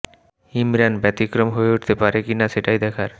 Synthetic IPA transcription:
imɾanbɛt̪ikɾomɦoeuʈt̪epaɾekinaʃeʈajd̪ɛkʰaɾ

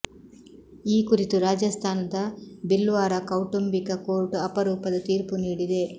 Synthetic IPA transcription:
iːkuɾit̪uɾaːd͡ʒɐst̪ʰaːnɐd̪ɐbilʋaːɾɐkɐwʈumbikɐkoːɾʈɐpɐɾuːpɐd̪ɐt̪iːɾpuniːɽid̪e̞

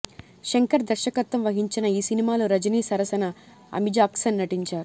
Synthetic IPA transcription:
ʃeŋkɐɾd̪ɐɾʃɐkɐt̪ːɐmʋɐɦiɲt͡ʃinɐiːsinimaːloːɾɐd͡ʒɐniːsɐɾɐsɐnɐ | ɐ̰mid͡ʒaːksɐnːɐʈiɲt͡ʃaːɾu

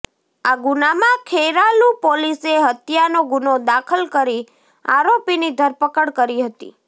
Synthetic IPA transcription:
aɡunamãkʰeɾalupoliseɦət̪janoɡunod̪akʰəlkəɾi | aɾopinid̪ʱəɾpəkəɽkəɾiɦət̪ḭ

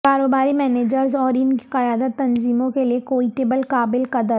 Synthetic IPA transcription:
kaːɾoːbaːɾimɛːneːd͡ʒəɾzɔːɾɪnki̥qɐjaːd̪ət̪ːɐnziːmõkeliekoːiʈeːbəlkaːbɪlqɐd̪əɾ

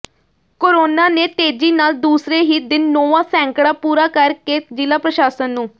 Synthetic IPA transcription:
koːɾoːnaːneːt̪eːd͡ʒiːnaːld̪uːsɾeːɦiːd̪ɪnːoːʋãːsɛ̃ːŋkɽaːpuːɾaːkəɾkeːd͡ʒɪlaːpɾəʃaːsənːũː

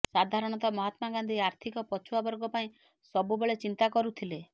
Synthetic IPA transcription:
sad̪ʱaɾɔɽ̃ɔt̪ɔmɔɦat̪maɡand̪ʱiaɾt̪ʰikɔpɔt͡ʃʰuabɔɾɡɔpaĩ | sɔbubeɭet͡ʃint̪akɔɾut̪ʰile

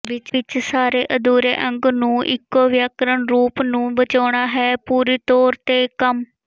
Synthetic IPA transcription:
ʋɪt͡ʃɪt͡ʃsaːɾeːʔəd̪uːɾḛːʔə̃ŋɡnũːʔɪ̰kːoːʋjaːkɾəɳɾuːpnũːbət͡ʃaːɳaːɦɛːpuːɾiːt̪ɔːɾt̪eːkəm

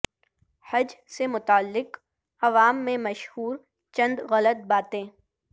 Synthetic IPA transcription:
hɐd͡ʒsemʊt̪aəlːɪq | ɐʋaːmːẽmɐʃhuːɾ | t͡ʃɐ̃nd̪ɣɐlət̪̚baːt̪ẽː

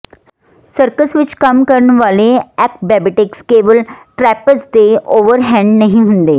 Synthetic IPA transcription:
səɾkəsʋit͡ɕkamkəɾɳʋaleæk̚bæbiʈɪkskeʋəlʈɾæpət͡sd̪eoʋəɾɦɛ̃ɳɖnəɦiɦund̪e

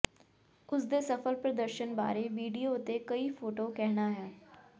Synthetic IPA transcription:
ʊsd̪eːsəfʰəlpɾəd̪əɾʃənba̰ːɾeːʋiːɖijoːt̪eːkəiːpʰoːʈoːkɛɦnaːɦɛː

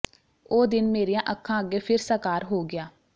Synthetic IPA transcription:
oːd̪ɪnmeːɾijãːʔəkʰːãːəɡeːpʰɪɾsəkaːɾɦoːɡɪjaː

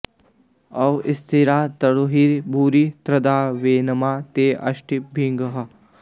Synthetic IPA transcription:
ɐʋɪst̪ʰiɾaːt̪ɐɽuɦiɾbʱuːɾit̪ɾɐd̪aːʋeːnɐmaːt̪eːʔɐ̰ʃʈibʱiŋɡɐɦɐ

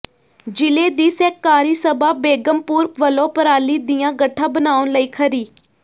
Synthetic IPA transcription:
d͡ʒɪleːd̪iːsɛːkːaːɾiːsəbaːbeːɡəmpuːɾʋəlõːpəɾaːliːd̪ɪjãːɡəʈʰːãːbənaːʊnləiːkʰəɾiː

